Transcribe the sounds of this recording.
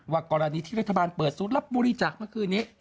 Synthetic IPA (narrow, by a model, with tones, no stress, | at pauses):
waː˧˩kɔː˧ɾa˧niː˧t̪ʰiː˥˩ɾa˦˥t̪ʰːa˧baː˧npɤː˨˩t̪̚suː˨˦t̪̚la˦˥p̚boː˧ɾi˦˧t͡ɕaː˨˩k̚mɯ˥˩kʰɯː˧nːiː˦˥˩